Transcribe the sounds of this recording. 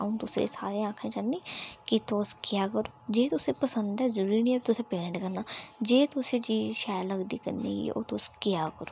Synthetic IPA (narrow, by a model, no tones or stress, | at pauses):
aũt̪ʊsḛsa̰ːɾeãːkʰẽt͡ʃanːikit̪oːskjaːkəɾoːd͡ʒeːt̪ʊsepɐsə̃nd̪ɦɛzəɾuɾniɐbt̪ʊsepeːɳʈkɐɾnaːd͡ʒeːt̪oset͡ʃiːzʃaːjlɐɡd̪ikə̰ɾnḭḭo̰ːt̪oːskjakəɾo